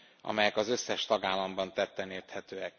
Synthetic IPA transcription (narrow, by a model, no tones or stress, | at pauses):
ɒ̰mɛjɛkɒzø̞sːɛʃt̪ɒɡaːlːɒmbɒnt̪ɛt̪ːɛneːrt̪hɛt̪øːɛk